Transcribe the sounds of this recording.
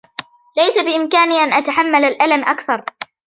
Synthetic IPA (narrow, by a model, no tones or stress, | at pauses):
lajsabɪʔɪmkaːniːʔanʔat̪aħamːalalʔalamʔakθɑɾˤ